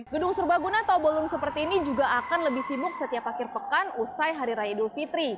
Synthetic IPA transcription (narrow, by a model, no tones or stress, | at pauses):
ɡədʊŋsurbahɡunat̪obəlʊŋsəpərt̪iːnid͡ʒuɡaakanləbɪhsibʊk̚sət̪iapakɪrpəkanusajɦaɾiɾajadulfit̪ɾi